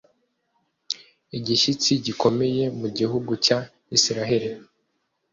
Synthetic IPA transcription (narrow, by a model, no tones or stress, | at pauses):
iɟiʃit͡siɟiko̞me̞je̞muɟihuɡuca | isiɾaɦe̞ɾi